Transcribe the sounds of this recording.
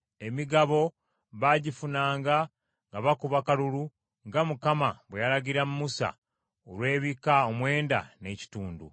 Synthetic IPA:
e̞miɡaβo̞ | βaɟifunaːŋɡa | ŋɡaβakuβakaluɾu | ŋɡamukamaβwejalaɡiɾamumusa̰ | olwe̞ːβikaomwe̞ːnda̰ne̞ci̥tuːndṵ

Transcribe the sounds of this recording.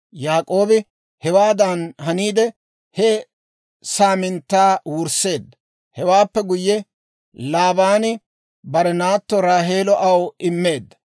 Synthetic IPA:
jaːkʼo̞ːbɪ | hɛwaːd̪ɐnɦɐniːd̪ɛ | hɛ | saːmɪnt̪ːaːwʊɾse̞ːd̪ːɐ | hɛwaːpːɛɡʊjːɛ | laːbaːnɪ | bɐɾɛnaːt̪ːɔɾaːɦe̞ːlɔʔɐwɪmːe̞ːd̪ːɐ̥

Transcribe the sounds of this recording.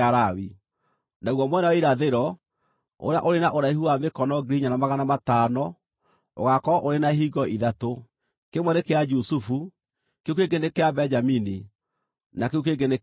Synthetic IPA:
aɾawi | naɣwɔmwɛnawaiɾaðeɾɔ | o̰ɾea̰ʔoɾenaʔoɾaihuamekɔnɔɡiɾiɲanamaɣanamatanɔ | o̰ɣakɔʔoɾenaɦiɡɔiðato | kemwɛnekead͡ʒusufu | keukeɡenekeabɛd͡ʒamini | nakeukeɡene

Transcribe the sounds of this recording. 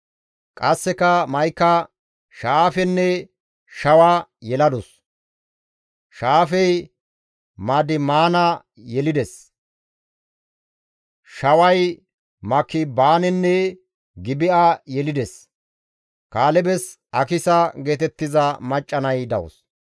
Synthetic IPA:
kʼɐsːɛkɐmɐjkːɐ | ʃaːfɛnːɛ | ʃɐwajɛlɐd̪ɔs | ʃaːfɛj | maːd̪ɪmaːnɐ | jɛlɪd̪ɛs | ʃɐwɐj | mɐkːɪbaːnɛnːɛ | ɡɪbɪʔajɛlɪd̪ɛs | kaːlɛbɛs | ɐkɪsɐɡe̞ːt̪ɛt̪ːɪzɐmɐt͡ʃʼːɐnɐjd̪ɐwɔ̰s

